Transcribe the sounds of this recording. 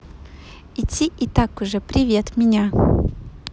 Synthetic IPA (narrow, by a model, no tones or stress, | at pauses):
ɪtʲʰːiʔɪt̪akʊʐɛpɾʲɪvʲe̞t̪mʲɪnʲa